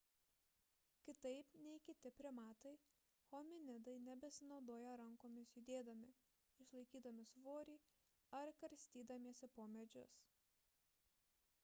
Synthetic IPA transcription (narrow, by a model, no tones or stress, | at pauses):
kʲɪt̪ɐɪpnʲɛɪkʲɪt̪ʲɪpʲɾʲɪmɑːt̪ɐɪ | xoːmʲɪnʲɪd̪ɐɪnʲɛbʲɛsʲɪnɒʊd̪oːjɛɾɐŋkoːmʲɪsjʊd̪ʲeːd̪ɐmʲɪ | ɪʃlˠɐɪkʲiːd̪ɐmʲɪsʋoːɾʲiː | ɐɾkɐɾʲsʲt̪ʲiːd̪ɐmʲiɛsʲɪpoːmʲɛd͡ʒʲʊs